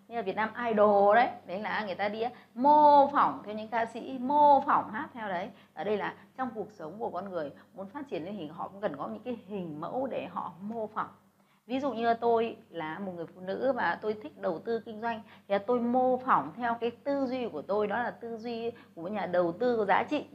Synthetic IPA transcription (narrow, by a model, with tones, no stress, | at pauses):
ɲ˧a˨˩vi˨˩ət̚naː˧mʔaː˧jɗo˨˩ɗə˨˦jɗə˨˦jlaː˨˩ŋɨ˨˩əjt̪aː˧ɗi˧ʔaː˨˦ | mo˧fa˧˩wŋ͡mt̪ʰɛ˧wɲɨ̰˧˥ŋkaː˧sḭ˧˥mo˧fa˧˩wŋ͡mhaː˦˥t̪ʰɛ˧wɗə˨˦jʔəː˧˩ɗə˧jlaː˨˩ | t͡ɕɔ˧wŋ͡mku˨˩ək̚sə˨˦wŋ͡mku˧˩əkɔ˧nŋɨ˨˩əj | mu˨˦nfaː˦˥t̚t͡ɕi˧˩ənə˨˦t̪ʰi˨˩ɦɔ̰˧˨kʊ̰˧˥ŋ͡mkə˨˩nkɔ˨˦ɲɨ̰˧˥ŋkaː˨˦jhï˨˩ŋ̟mə̰˧˥wɗe˧˩ɦɔ̰˧˨mo˧fɔ˨˧˩wŋ͡m | vi˨˦zṵ˧˨ɲɨ˧t̪o˧jlaː˨˩mo˨˩t̚ŋɨ˨˩ə˩jfṵ˧˨nɨ̰˧˥vaː˨˩t̪o˧jt̪ʰï˦˥k̟̚ɗə˨˩wt̪ɨ˧kï˧ŋ̟zwa˧jŋ̟t̪ʰi˨aː˨˩t̪o˧jmo˧fa˧˩wŋ͡mt̪ʰɛ˧wkaː˨˦jt̪ɨ˧zwi˧ku˧˩ət̪o˧jɗɔ˨˦laː˨˩t̪ɨ˧zwi˧ku˧˩ə˩mo˨˩˦ɲaː˨˩ɗə˨˩wt̪ɨ˧kəzaː˨˦t͡ɕḭ˧˨